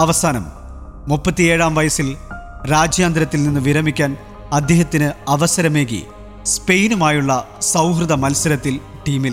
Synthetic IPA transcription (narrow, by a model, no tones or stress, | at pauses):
ɐʋɐsaːnɐ̰mː | upːɐt̪ːieːɻaːmʋɐjɐsilɾaːd͡ʑjaːnd̪ɾɐt̪ːilninːɨʋiɾɐmikʲːaːn | ɐd̪ʱjɐɦɐt̪ːinɨɐʋɐsɐɾɐme̞ːɣḭ | spe̞jnumaːjuɭːɐ | sɐwɦrɨðɐmɐlsɐɾɐt̪ːil | ʈiːmil